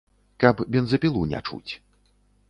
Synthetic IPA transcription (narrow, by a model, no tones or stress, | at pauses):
kɐpbʲɛnzɐpʲilˠunʲɛ̰t͡ʂṵt͡sʲ